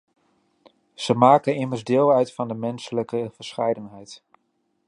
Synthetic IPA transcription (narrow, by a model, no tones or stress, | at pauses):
z̥əmaːkənɪməɹzdɪːlˠœɥtfɑndəmɛnsələkəv̥əɹsχɛjdənɦɛjt